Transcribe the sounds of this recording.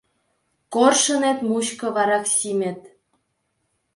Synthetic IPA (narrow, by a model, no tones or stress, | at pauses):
korʃɤ̆net̪muɕkɤ̆βɑɾɑksimʲĕt̪̚